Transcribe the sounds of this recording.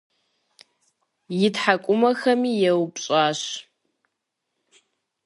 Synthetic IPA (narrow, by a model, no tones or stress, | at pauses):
jɪtħakʷʼʊmɐxɐmiːjɛwpɕʼaːɕ